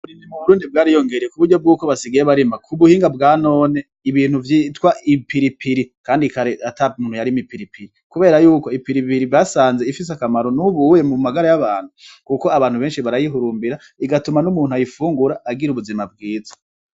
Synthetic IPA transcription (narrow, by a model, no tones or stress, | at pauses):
βuɾinimuβuɾuːndib̚ɡaːɾijo̞ŋɡe̞ɾekuβuɾɟo̞b̚ɡuːko̞βasiɡajeβaɾimakʰuβuhiːŋɡabɡaːno̞ːne̞ | iβiːn̥huvjitwaʔipiɾipiɾikaːndikaɾeatamuːnhujaɾimipiɾipiɾikuβe̞ːɾajuːko̞ipiɾipiɾiasaːnzeifis̬eakamaɾo̞nuβujemumaɡaɾajaβaːn̥hukuko̞aβaːn̥huβe̞ːnʃiβaɾajiɦuɾuːmbiɾa | iɡatumanumuːn̥uajifuːŋɡuɾaʔːɡiɾuβuzimab̚ɡiːzḁ